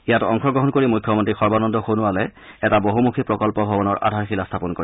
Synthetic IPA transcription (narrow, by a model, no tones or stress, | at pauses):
ijatɔŋxɔɡɹɔɦɔnkoɹimukʰjɔmɔntɹixɔɹbanɔndʱɔxonʊalɛ | ɛtaboɦumukʰipɹɔkɔlpɔbʱɔbɔnɔɹʔa̰dʱaɹxilastʰapɔnkoi